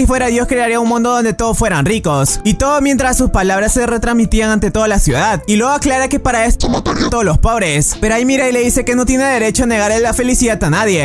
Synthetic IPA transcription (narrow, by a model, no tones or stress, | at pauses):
ifwe̞ɾaðjo̞skɾe̞aɾiaunmũnd̪o̞ðo̞nd̪e̞t̪o̞ðosfwe̞ɾanriko̞sit̪o̞ðomje̞nt̪ɾasːuspalaβ̞ɾasːe̞re̞t̪ɾazmit̪iaŋant̪e̞t̪o̞ðalasjṵðaðilweɣo̞aklaɾake̞paɾaest̪ooot̪oolo̞spo̞βɾe̞spe̞ɾoaimiɾajleðise̞ke̞no̞t̪̬je̞ne̞ðe̞ɾe̞t͡ʃoane̞ɣaɾelːafe̞lisiðat̪anaðje̞